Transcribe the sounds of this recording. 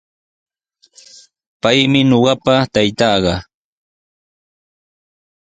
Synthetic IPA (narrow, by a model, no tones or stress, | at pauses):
pajmɪɲoɢɑpat̪ajt̪ɑːɢɑ